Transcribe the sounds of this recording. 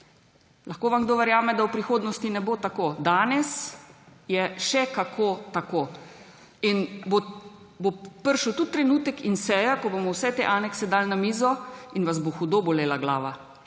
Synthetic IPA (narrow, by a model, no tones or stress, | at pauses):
laxkoːʋamɡd̪oːʋɛɾjaːmɛd̪awpɾixoːd̪nɔst̪inɛboːt̪akoːd̪aːnɛs | jɛʃɛkakʰoːt̪akoː | inbo | bopəɾʃuwt̪ut̪̚ːɾɛnuːt̪ɛkinsɛːjakɔbomɔwsɛt̪eʔaːnɛksɛd̪alnamiːzɔinʋazboxud̪oboleːlaɡla̰ːʋa̰